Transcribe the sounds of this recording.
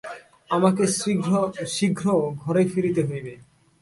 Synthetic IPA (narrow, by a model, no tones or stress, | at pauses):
amakes | ʃiɡʱɾoɡʱɔɾefiɾit̪eɦojbe